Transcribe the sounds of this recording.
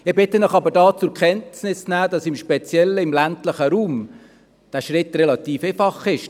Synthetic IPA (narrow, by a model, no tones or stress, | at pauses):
ɪbɪt̪ːənəχɑbəɾdɑːt͡sʊɾkʰχɛntsnɪsnæːd̪ɑsɪmʃpɛt͡sjɛlːəɪmlæntləχəɾuːm | d̥æːʃɾɪt̪rɛlɑt̪iːfefɑχɪʃ